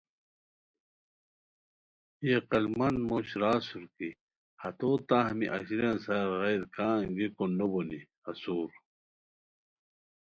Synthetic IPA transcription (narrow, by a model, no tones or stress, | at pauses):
eqɐlmɐnmoɕɾaːsuɾki | hɐt̪oːt̪ãːɦmiʔɐ̰ɕiɾɐnsɐɾɣejɾkaːɡikonːoboni | ɐsuːɾ